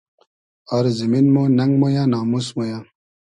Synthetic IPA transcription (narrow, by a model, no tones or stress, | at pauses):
ɔɾziminmonɐŋɡmojãːnaːmusmojaː